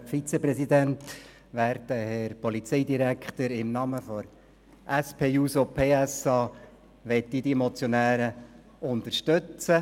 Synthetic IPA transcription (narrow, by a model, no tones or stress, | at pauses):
fit͡sepɾɛsid̪ænt̪ | ʋæːɾd̪əhɛɾpɔlit͡sɛɪd̪iɾækχt̪əɾɪmnɑməfɔɾ | ʔæspʰeːuːsopʰeːæsɑː | ʋɛt̪ːid̥̪imɔt͡sjonæːɾə | ʊnt̪əɾʃtɵt͡sə